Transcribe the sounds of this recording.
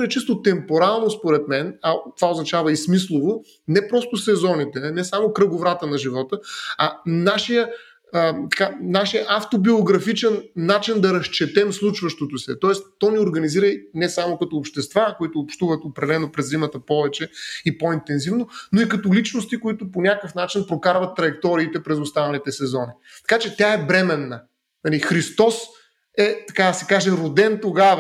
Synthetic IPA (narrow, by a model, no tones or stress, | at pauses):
ɛt͡ʃist̪ot̪ɛmpoɾalˠnospoɾɛt̪mɛnɐt̪ovaoznɐt͡ʃavɐismislˠovo | nɛpɾɔst̪ʊsɛzɔnit̪ɛnɛsamokɾəɡʊvɾat̪ənɐʒivɔt̪əɐnaʃijə | ət̪ɐ̥kanaʃijəʔaft̪obioɡɾɐfit͡ʃɛnːat͡ʃind̪ɐɾɐʃt͡ʃɛt̪ɛmslˠut͡ʃvɐʃt̪ot̪ʊsɛ̰t̪ɔɛst̪ɔnioɾɡɐniziɾəinɛsamokɐt̪oːpʃt̪ɛst̪vakoit̪ʊːpʃt̪uvət̪opɾɛlɛnopɾɛzːimɐt̪əpɔvɛt͡ʃɛipɔint̪ɛnzivnonoikɐt̪olit͡ʃnost̪ikoit̪ʊponʲakəfnat͡ʃinpɾokaɾvɐt̪ːɾɐjɛk̚t̪ɔɾiːt̪ɛpɾɛzʊst̪anɐnit̪ɛsɛzɔni | t̪ɐ̥kat͡ʃɛt̪ʲaɛbɾɛmɛnːə | nɐlixɾist̪ɔs | ɛt̪ɐkad̪ɐsɛkaʒɛɾod̪ɛnt̪oɡavə